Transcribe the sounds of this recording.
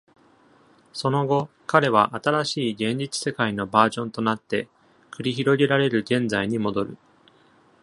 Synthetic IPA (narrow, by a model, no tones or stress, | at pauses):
so̞no̞ɡo̞ | kaɾe̞β̞aʔat̪aɾaɕiːɡẽ̞ɲ̟d͡ʑit͡sɨ̥se̞kaino̞baːʑõ̞nt̪o̞nat̪ːe̞ | kɯ̟ɾʲiçiɾo̞ɡʲe̞ɾaɾe̞ɾɯ̟ɡẽ̞nd͡zaiɲ̟imo̞d̪o̞ɾɯ̟̰